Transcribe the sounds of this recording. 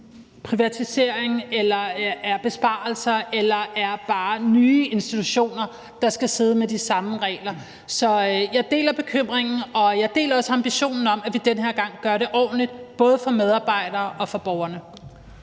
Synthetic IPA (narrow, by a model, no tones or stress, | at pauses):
pʰʁiʋæt͡sʰise̝ɐ̰eŋelɐæɐb̥e̝sb̥ɑ̈l̩sɐelɐʔæɐb̥ɑ̈ːnyːe̝nsd̥it͡sʰuɕo̝̰ːnɐ | d̥ɑ̈sɡ̥æse̝ːð̞ˠmedisɑ̈məʁɛ̰ːlɐ | sɒ̽jɑ̈ɪd̥e̝̰ːlɐb̥e̝kʰøm̰ʁeŋn̩ɒ̽jɑ̈ɪd̥e̝̰ːlɐɒ̽səɑ̈mb̥iɕo̝̰ːnn̩ɒ̽m̰æʋid̥enɦeɐ̰ɡ̥ɑ̈ŋ̰ɡ̥ɶɐɾe̝ʔɒ̰ːdn̩lid̥b̥ɔ̽ːð̞ˠəfɒ̽með̞ˠɑ̈ːb̥ɑ̈ɪ̰ɾ̥ɐːʔɒ̽fɒ̽b̥ɒʊɐnə